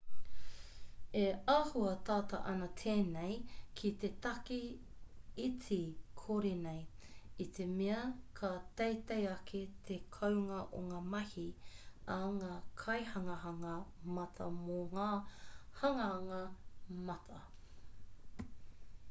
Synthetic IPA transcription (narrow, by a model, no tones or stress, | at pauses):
eahuɐt̪aːt̪ɐ̰ʔɐnɐt̪ʰeːnejkʰit̪et̪ɐki | it͡sikʰoɾenejit̪ʰe̞meɐkʰat̪ejt̪ejɐkʰet̪ʰekʰɐwŋɐʔoŋaːmɐhiɐŋaːkʰɐjhɐŋɐɦɐŋɐmɐt̪ʰɐ̰moŋaːhɐŋɐŋɐmɐt̪ʰɐ